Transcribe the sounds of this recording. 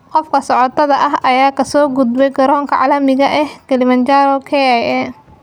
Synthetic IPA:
qɔfkʰɐsɔʕɔt̪ʰɐðɐʔɐɦɐjaːkʰɐsɔːɡud̪bɛjɡɐɾɔːŋkʰɐʕɑlɐmɪɣɐʔɛhɡɐlɪmɐnt͡ʃaɾɔkʰɛɛjɛ

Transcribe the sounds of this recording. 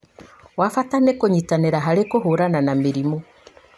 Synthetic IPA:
wafatanekoɲitaneɾaɦaɾekoɦoɾananameɾimɔ

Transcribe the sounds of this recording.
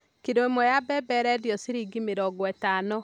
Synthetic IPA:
kidwemɔjabɛbɛɾɛdjɔsiɾiɡimeɾɔɡwɛtaːnɔ

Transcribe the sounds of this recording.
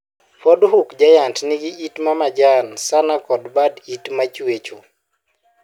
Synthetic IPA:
fɔdɦukd͡ʒajantnɪɡɪitmamad͡ʒansanakɔdbaditmat͡ʃwet͡ʃo

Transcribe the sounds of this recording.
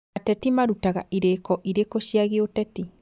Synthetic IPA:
atɛtimaɾutaɣaʔiɾekɔʔiɾekoɕjaɣeotɛti

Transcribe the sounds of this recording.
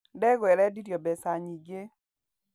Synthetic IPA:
dɛɡwɛɾɛdiɾjɔbɛsaɲid͡ʒe

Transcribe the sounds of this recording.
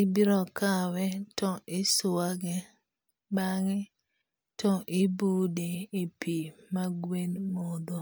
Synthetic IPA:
ɪbiɾɔkawɛtɔʔɪsʊaɡɛ | baŋɪ | tɔʔɪbudeːpʰimaɡwenmod̪o

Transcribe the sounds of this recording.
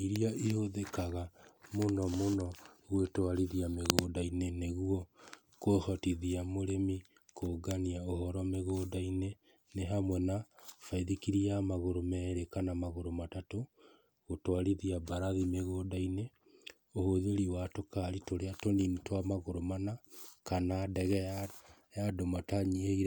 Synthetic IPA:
iɾiaʔihoðekaɣamonɔmonɔɣwetwaɾiðiameɣoːdaineneɣuɔ | kohɔtiðiamoɾemi | koːɡaniaoɦɔɾwɔmeɣoːdaine | neɦamwɛnafaiðikiɾiamaɣoɾomɛɾekanamaɣoɾomatato | ɣotwaɾiðiabaɾaðimeɣoːdaine | ohoðeɾiwatokaɾitoɾeatoninitwamaɣoɾomanakanadɛɣɛ | jadomataɲieɣiɾ

